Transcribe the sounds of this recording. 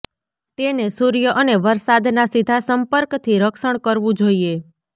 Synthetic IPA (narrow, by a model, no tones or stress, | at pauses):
t̪enesuɾjəʔəneʋəɾsad̪nasid̪ʱasəmpəɾkt̪ʰiɾəkʃəɳkəɾʋũd͡ʒoie